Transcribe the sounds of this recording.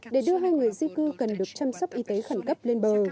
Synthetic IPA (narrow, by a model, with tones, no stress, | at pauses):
ɗe˧˩ɗɨ˧əɦaː˧jŋɨ˨˩əjzi˧kɨ˧kə˨˩nɗɨ˨˩ək̚t͡ɕa˧msə˦˥wk͡p̚ʔi˧t̪e˨˦xa˧˩nkə˦˥p̚le˧nɓəː˨˩